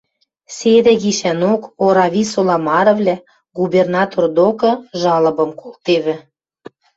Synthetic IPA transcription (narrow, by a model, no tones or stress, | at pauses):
sed̪ɘ̆ɣiʃænokoɾɑβʲisolɑmɑɾɤ̆vlʲæ | ɡubernɑt̪ord̪okɤ̆ʒɑlɤ̆bɤ̆mkʰolt̪eβɘ̆